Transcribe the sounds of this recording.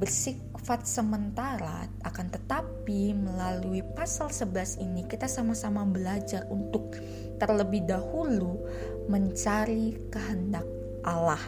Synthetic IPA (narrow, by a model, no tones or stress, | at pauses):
bərsik | fat̪̚səmənt̪aɾa̰ | akant̪ət̪apiməlaluipasalsəbəlasinikit̪asamasamabəlad͡ʒarunt̪ʊk̚ | t̪ərləbɪhdahulu | məɲt͡ʃaɾikəɦəndak̚ | ʔalah